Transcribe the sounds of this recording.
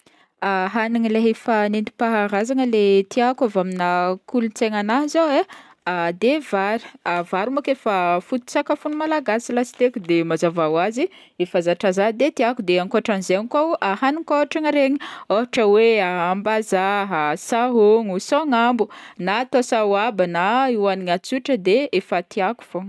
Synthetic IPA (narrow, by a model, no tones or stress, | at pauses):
aɦaniŋileɦefanend̪i̥paɦaɾazaŋəlet̪iakavaminakulunt͡seŋanaɦzowe | ad̪evaɾi̥avaɾumakefəfut̪u̥sakafunumalaɡasilasi̥t̪ekud̪emazavawazi | efazaʈ͡ʂazad̪et̪iakud̪eaŋkoʈ͡ʂanizeŋikaahanikoʈ͡ʂaŋəɾeɲioɦaʈ͡ʂəweaambazaɦasaɦoŋusoŋambunat̪oasawabanaiwaniŋat͡suʈ͡ʂəd̪eefat̪iaku̥fo